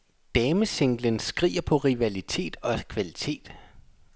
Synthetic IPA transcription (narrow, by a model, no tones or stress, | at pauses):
d̥ɛːməse̝ŋ̰ɡ̥lənsɡ̥ʁḭːɐpʰɒ̽ʁiʋælit͡sʰe̝̰ːd̥ɒ̽kʰʋælit͡sʰe̝̰ːd̥